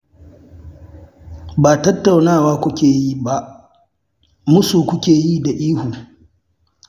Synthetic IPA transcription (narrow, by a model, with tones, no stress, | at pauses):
baː˨tɐ˦tːa˨wnaː˦˨waː˦kʷʊ˦kʲeː˨ji˦ba˦ʔ | mʊ˦suː˨kʷʊ˦kʲeː˨ji˦da˨ʔiː˦hu˨